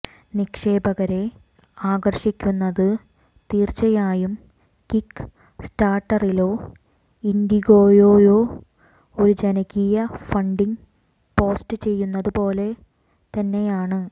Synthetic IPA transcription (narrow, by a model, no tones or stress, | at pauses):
nikʂeːbɐɣɐɾe̞ | aːɡɐrɕikʲːunːɐðɨ | t̪iːrt͡ɕɐjaːjum | kikː | staːrʈːɐrilo̞ː | ind̪iɣo̞ːjo̞ːjo̞ː | o̞ɾud͡ʑenɐɣijɐfɐɳɖiŋ | po̞ːstɨt͡ɕe̞jːunːɐðupo̞ːle̞ | t̪ɐnːe̞jaːɳɨ